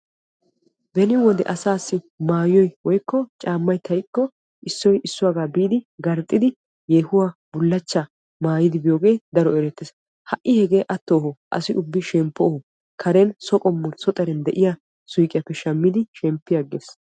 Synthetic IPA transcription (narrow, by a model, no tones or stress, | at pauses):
bɛnɪwɔd̪ɛ̰ʔɐsaːsːɪ | maːjɔjwɔjkːɔt͡ʃʼaːmːɐjt̪ʰɐjkːɔ | ɪsːɔjʔɪsːʊwaːɡaːbiːd̪ɪɡɐɾt̪ʼːɪd̪ɪ | jeːhʊwaːbʊlːɐt͡ʃːa | maːjɪd̪ɪbɪjo̞ːɡe̞ːjd̪ɐɾɔɛɾɛt̪ːɪs | hɐʔːɪhɛɡe̞ːʔɐt̪ːoːhɔʔɐ̰sɪʔʊbːɪʃɛmpːɔhʊ | kʰɐɾɛnsɔkʼɔmːʊɾsɔt̪ʼɛɾɛnd̪ɛʔɪja | sʊjkʼɪjɐpːɛʃɐmːɪd̪ɪʃɛmpːɪjɐɡes